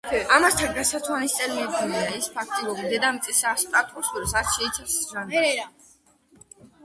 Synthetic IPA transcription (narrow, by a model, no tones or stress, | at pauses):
amast̪ʰaɡasat̪sʰwanist̪ʼɛlmɛbd̪uliaispʰak̚ʰt̪ʼiɾɔbid̪ɛd̪amt̪sʼisast̪ʼat̪ʼusuɾsat̪ʃɛit̪sʰasʒaɛɾɛɾa